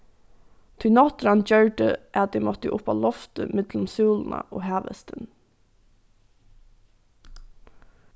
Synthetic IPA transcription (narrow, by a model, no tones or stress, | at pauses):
t̪ʰʊjnɔt̪ɾand͡ʒœɹɖəʔæt̪̚d̪ɛmɔt̪əʔʊpɑ̰lɔft̪əmɪt̪lʊmsuːlna̰ʔo̰ːɦæːʋə̰st̪ən